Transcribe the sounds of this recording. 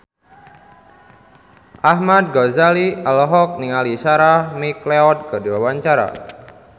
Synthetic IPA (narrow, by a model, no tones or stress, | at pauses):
ʔahmad̪̚ɡɔzalialɔɦɔk̚niŋaliʃaɾamikleɔt̪̚kədiwawaɲt͡ʃaɾa̰